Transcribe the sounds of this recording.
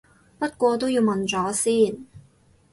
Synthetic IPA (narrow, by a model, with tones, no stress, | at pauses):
pɐ˥t̚kʷɔː˧t̪̬o˥wjiː˧wmɐ˨nt͡sɔː˨˥siː˥˩n